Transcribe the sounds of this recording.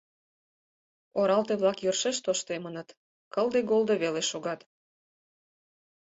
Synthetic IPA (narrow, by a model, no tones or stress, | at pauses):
oɾɑlt̪eβlɑkjørʃeʃt̪oʃt̪emənət̪ | kəld̪eɡolˠd̪oβeleʃoɣɑt̪